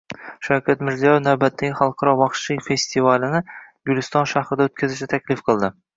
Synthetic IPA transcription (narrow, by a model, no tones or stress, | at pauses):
ʃawkʲat̪mɪɾzijɒjɪwnawbat̪ʰːaɡʲɪχɑlˠqʰɑɾɒvɒχʃijfe̞sʲt̪ivalɪnɪjʊlʲɪst̪ɒnʃahɾɪd̪aɵt̪̚kʲʰazɪʃɪt̪ʰakʲlɪfqʰɨlˠd̪ɪ